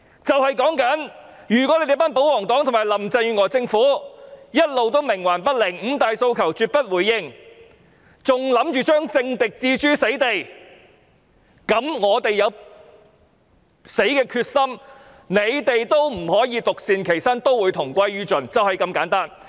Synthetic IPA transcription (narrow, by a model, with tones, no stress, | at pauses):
t͡sɐ˨whɐ˨˩jkɔː˨˥ŋkɐ˨˥n | jyː˨˩k̬ɔ˨˥le˧˥t̪e˨˧˥paː˥np̬o˨˥wɔː˨˩ŋt̪ɔː˨˥ŋt̪ʰmaː˨˩jlɐ˨˩mt͡sɐ˧jjy˧ŋɔː˨˧t͡sɪ˧ŋfuː˨˥jɐ˥t̚lo˨wt̪o˥wmɪ˨˩ŋwaː˨˩npɐ˥t̚lɪ˨˩ŋm̩ː˨˧t̪aː˨jso˧wkʰɐ˨˩wt͡syː˧t̚pɐ˥t̚wuː˨˩jːɪ˧ŋ | t͡sʊ˨ŋlɐ˨˥mt͡ʃyː˨t͡ʃœː˥ŋt͡sɪ˧ŋt̪ɪ˨k̚t͡siː˧t͡ʃyː˥se˨˥jt̪e˨j | kɐ˨˥mŋɔː˨˧t̪e˨jːɐ˨˧w | se˨˥jkɛː˧kʰyː˧t̚sɐ˥m | ne˨˧jt̪e˨jt̪o˥wm̩˨˩hɔː˨˥jiː˨˧t̪ʊ˨k̚siː˨˧nkʰe˨˩jsaː˥nt̪o˥wːuː˨˧jt̪ʰʊ˨˩ŋkʷɐ˥jɥyː˥t͡ʃɵ˨˩nt͡sɐ˨whɐ˨jkɐ˧mkaː˨˥nt̪aː˥n